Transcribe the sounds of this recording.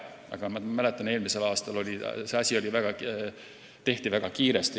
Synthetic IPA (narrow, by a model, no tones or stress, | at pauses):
ɑ̰ɡ̥ɑmɑmæle̞t̪ːˑɑne̞ːlmise̞lɑːst̪ɑlo̞lʲise̞ɑsʲio̞lʲivæɡ̥ɑ | t̪e̞ht̪ivæɡ̥ɑkiːɾest̪i